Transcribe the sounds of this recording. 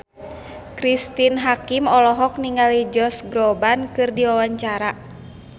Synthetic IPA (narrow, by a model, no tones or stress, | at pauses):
kɾist̪inɦakimɔlɔɦɔk̚niŋalid͡ʒɔsɡɾɔbankɨrdiwawaɲt͡ʃaɾa